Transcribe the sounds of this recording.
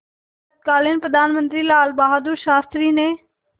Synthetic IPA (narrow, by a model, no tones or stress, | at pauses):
t̪̚kaːlɪnpɾəd̪aːnmə̃nt̪ɾiːlaːlbaːɦaːd̪uɾʃaːst̪ɾiːneː